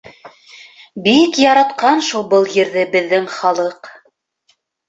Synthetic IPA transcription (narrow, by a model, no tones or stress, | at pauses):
bikjɑɾɑt̪qɑnʃulˠbɤlˠjɘ̆ɾðɘbɘ̆ðːɘŋχɑlˠɤq